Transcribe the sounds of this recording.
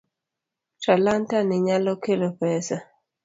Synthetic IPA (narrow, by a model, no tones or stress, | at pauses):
talantanɪɲalɔkelopɛsa